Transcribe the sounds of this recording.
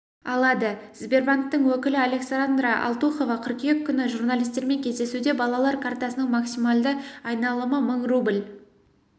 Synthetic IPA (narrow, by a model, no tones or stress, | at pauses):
ɑlˠɑd̪əzbe̞rbant̪ːəɴwɵkʲɪlɪalʲe̞ksaɾand̪ɾaʔɑ̰lˠt̪uχo̞vɑqʰʏɾkʲekʲʰːʏnɪʒurnalʲijst̪e̞ɾme̞ŋkʲʰe̞zd̪e̞sud̪e̞bɑlˠɑlˠɑɾkʰart̪ɑsənəɴmaksimalˠd̪əɑjnɑlˠəməməɴrublʲ